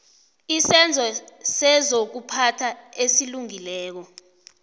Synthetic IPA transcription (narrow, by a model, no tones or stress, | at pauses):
isɛnd͡zʱɔsɛzok̬upʰatʰaesiluŋilɛːk̬ɔ